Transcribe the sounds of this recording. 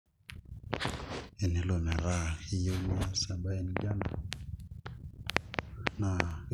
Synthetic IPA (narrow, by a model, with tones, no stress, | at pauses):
e˨ne˨lo˨na˨ɾa˦˨hi˦jo˦ŋ˦a˦sa˨ba˦ɛ˦nd͡ʒa˦na̰˨ | na˨